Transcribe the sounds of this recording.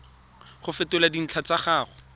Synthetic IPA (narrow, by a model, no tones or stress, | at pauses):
χʊfɪtʊladin̩t͡ɬʰat͡saχaːχʊ